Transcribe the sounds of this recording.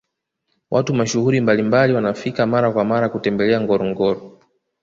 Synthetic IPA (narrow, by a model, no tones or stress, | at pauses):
wʔatumaʃuhuɾimbalimbaliwanafikamaɾakwamaɾakutɛmbɛlɛaŋɡɔɾɔŋɡɔɾɔ